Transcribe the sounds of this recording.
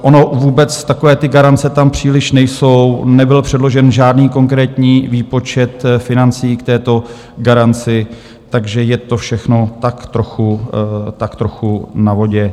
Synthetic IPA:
ʔono̞vuːbɛt͡st̪akovɛːt̪ɪɡaɾant͡sɛt̪ampr̝̥iːlɪʃnɛjsownɛbɪlpr̝̥ɛdlo̞ʒɛnʒaːdniːko̞ŋkɾɛːt̪ɲiːviːpo̞t͡ʃɛt̪fɪnant͡siːkt̪ɛːt̪o̞ | ɡaɾant͡sɪ | t̪aɡʒɛjɛt̪o̞fʃɛxno̞t̪akt̪ɾoxut̪akt̪ɾo̞xunavo̞ɟɛ

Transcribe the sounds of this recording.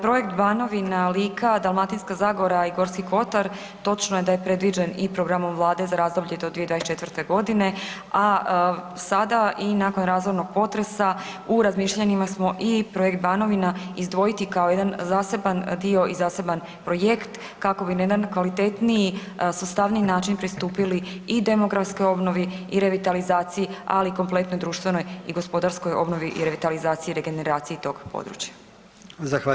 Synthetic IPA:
pɾo̞je̞kt̪bano̞ʋinaliːkʰad̪alˠmat̪inskazaːɡoɾaiɡo̞ɾskiko̞t̪aɾ | t̪o̞t͡ʃnoje̞d̪ajepɾe̞d̪ʋid͡ʒenipɾoɡɾamo̞mʋlˠaːd̪e̞zaɾaːzd̪o̞bʎed̪od̪vied̪aest͡ʃe̞t̪vəɾt̪e̞ɡo̞d̪ine̞ | a | sad̪aʔinako̞nɾaːzʋoɾno̞ɡ̥̚po̞t̪ɾe̞sa | uɾazmiːʃʎaɲimasmo̞ʔipɾo̞jek̚t̪̚baːno̞ʋinaizd̪ʋo̞jit̪ikao̞jed̪anzaːse̞band̪io̞ʔizaːse̞ban | pɾo̞jekt̪ | kako̞bind̪ankʋalit̪et̪niji | sust̪aʋninaːt͡ʃinpɾist̪uːpiliid̪e̞mo̞ɡɾafsko̞jo̞bno̞ʋiiɾe̞ʋit̪alizaːt̪sijia̰liko̞mple̞t̪no̞jd̪ɾuːʃt̪ʋe̞no̞jiɡo̞spo̞d̪aɾskojo̞bno̞ʋiʔḭɾeʋit̪alizaːt̪sijiɾe̞ɡe̞neɾaːt̪sijit̪o̞ɡ̥po̰d̪ɾṵt͡ɕjḁ | zaa

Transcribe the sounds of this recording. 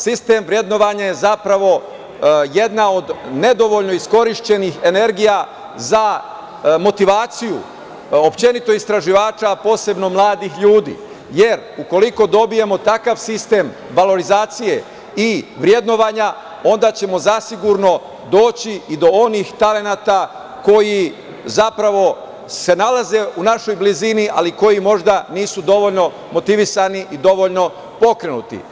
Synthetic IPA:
sist̪e̞mʋɾje̞d̪no̞ʋaɲajezapɾaʋo̞ | je̞d̪nao̞d̪ne̞d̪o̞ʋo̞ʎno̞isko̞ɾiʃt͡ɕe̞nixe̞ne̞ɾɡija | za | mo̞t̪iʋaːt̪siju | opt͡ʃe̞nit̪o̞ist̪ɾaʒiʋaːt͡ʃapo̞ːse̞bno̞mlˠaːd̪ixʎuːd̪ḭː | je̞ɾ | uko̞liko̞d̪o̞bije̞mo̞t̪akaʋsist̪e̞ːm | ʋalo̞ɾizaːt̪sije̞ | iʋɾje̞d̪no̞ʋaːɲa | o̞nd̪aːt͡ɕe̞mo̞zasiɡuɾno̞ | d̪o̞ːt͡ɕiːd̪o̞o̞nixt̪ale̞naːt̪a | ko̞ji | zapɾaʋo̞ | se̞nalaze̞unaʃo̞jbliziniʔa̰liko̞jimo̞ʒd̪aniːsud̪o̞ʋo̞ʎno̞ | mo̞t̪iʋisaniʔid̪o̞ʋoʎno̞ | po̞kɾenṵt̪ḭ

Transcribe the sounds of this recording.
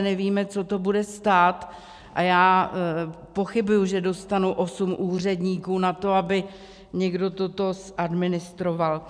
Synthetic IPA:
nɛviːmɛt͡so̞t̪o̞budɛst̪aːt̪ | ʔajaː | po̞xɪbujuʒɛdo̞st̪anuʔo̞sumʔuːr̝ɛdɲiːkuːnat̪o̞abɪ | ɲɛɡdo̞t̪o̞t̪o̞sʔadmɪnɪst̪ɾoval

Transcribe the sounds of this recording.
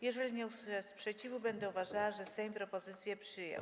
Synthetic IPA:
jɛʐɛlʲiɲɛuswɘʂɛspʂɛt͡ɕivubɛnd̪ɛuvaʐawaʐɛsɛjmʲpɾɔpɔzɘt̪sʲjɛpʂɘjɛ̰w

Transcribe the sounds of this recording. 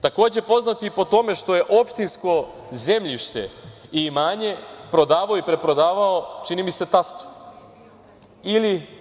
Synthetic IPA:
t̪ako̞ːd͡ʑe̞po̞znat̪ipo̞t̪o̞me̞ʃt̪o̞je̞ʔo̞pʃt̪insko̞ | ze̞mʎiʃt̪e̞̰imaːɲe̞pɾo̞d̪aːʋaoipɾe̞pɾo̞d̪aːʋaot͡ʃinimise̞t̪ast̪o̥ | ili

